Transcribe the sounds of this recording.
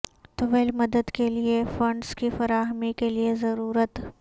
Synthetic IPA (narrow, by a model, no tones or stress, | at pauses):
t̪ʊʋelmɐd̪əd̪keliefɐ̃ɳɖskifɐɾaːɦmikeliezɐɾuːɾət̪